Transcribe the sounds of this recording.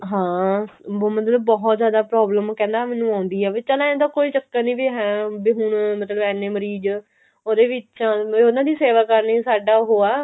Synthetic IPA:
ɦãː | mət̪ləbːɔɦɔt̪zjaːd̪aːpɾɔːbləmkɛ̃ːnd̪aːmɛːnːũːãːʊnd̪iːɦɛːʋet͡ʃəlãːẽnd̪aːkoːiːt͡ʃəkːaːnĩːbiːɦɛ̃ːbiːɦʊɳmət̪ləbɛːnːeːməɾiːd͡ʒ | oːd̪eːʋɪãonãːd̪iːseːʋaːkəɾniːsaːɖaːɦoːaː

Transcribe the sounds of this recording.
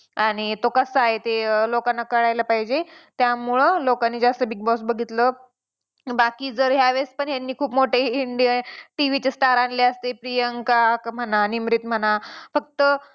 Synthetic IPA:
aɽ̃it̪okəsəaɦet̪elokanːakəɽajləpaɦid͡ʑet̪jamuɭəlokanːiːd͡zast̪əbiɡ̚bɔsbəɡʱit̪lə | bakiːd͡zəɾɦjaʋespəɳjanːiːkʰuːpmoʈeiɳɖijaʈiʋit͡ɕesʈaɾanleəst̪epɾijəŋkakm̤ənanimɾit̪m̤ənafək̚t̪ə

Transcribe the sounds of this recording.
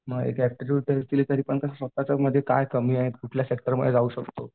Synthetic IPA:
məɡḛkæk̚ʈiʈjuːʈ̚ʈ̪eɭt̪iliːt̪əɾiːpəɳkəɕasʋət̪ːat͡saməd̪ʱjeka̰jkəmiːaɦet̪kuʈʰljasek̚ʈəɾməd̪ːjed͡zauːɕəkt̪o

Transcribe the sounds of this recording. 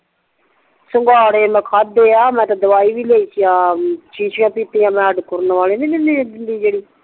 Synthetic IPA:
sʊŋɡaːɽeːmɛ̃ːkʰaːd̪ːeːaːmɛ̃ːt̪ãːd̪əʋaːiːʋiːleːiːsijaːt͡ʃiːsjãːpiːt̪eːãːmɛ̃ːəɖkʊɾnʋaːleːneneːned̪ɪnd̪iːd͡ʒeːɽiː

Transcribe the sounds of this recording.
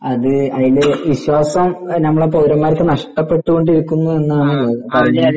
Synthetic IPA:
ɐðɨɐðilʋiɕwaːsɐmnɐmːɐɭepoðɾɐmːaːɾɐt̪ːenɐʂʈɐpːe̞ʈːuɣo̞ɳɖiɾukʲːunːue̞nːaːɳɨpoɐɐpɐrɐɲːi

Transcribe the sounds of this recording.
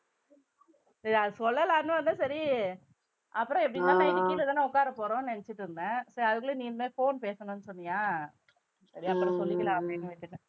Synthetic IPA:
sɐɾiɐðɯsɔlːɐlaːnːɯ̃ʋɐnd̪ãːsɐɾi | ʔɐpːɯɾɔ̃ɛpːɐɽɪt̪ːãːnãːɪnɪkːɪlɐt̪aːnːãːʊkːaːɾɐpoːɾõnɛnɛt͡ʃːɪʈːɯɾɯnd̪ɛ̃ːsɐɾiɐðɯk̬ːɯɭɯniːlmeːfoːnpeːsɐnʊ̃nːɯsɔnːɪŋaː | sɐɾiɐpːɯɾɔ̃sɔlːɪkːɪlãɐpːɽinɯ̃ʋɐʈ̪ːɯʈːɛ̃

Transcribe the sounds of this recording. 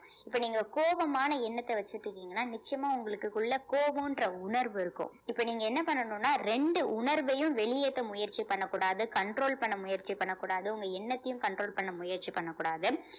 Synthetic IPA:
ɪpːɐːniːŋɡɐkoːʋɐmaːnɐɛnːɐt̪ːɐʋɐt͡ʃːɯʈːɯkːiːŋɡɐnːaːnɪt͡ʃːɪjɐmaːʊŋɡɐɭɯkːɯkːʊɭːɐkoːʋɐ̃ɪndrɐʊɳɐɾʋɯɪɾɯkːʊ̰̃ | ɪpːoniːŋɡɐɛnːɐpɐɳːɐnõːnːaːɾɛɳɖɯʔʊnɐɾʋɐjɯ̃mʋɛɭɪjet̪ːɐmʊjɐɾt͡ʃipɐɳːɐkːuːɽaːðɯkɐɳɖɾoːlpɐɳːɐmʊjɐɾt͡ʃipɐɳːɐkːuːɽaːðɯʊŋɡɐɛnːɐt̪ːɐjɯ̃mkɐɳɖɾoːlpɐɳːɐmʊjɐɾt͡ʃipɐɳːɐkːuːɽaːðɯ

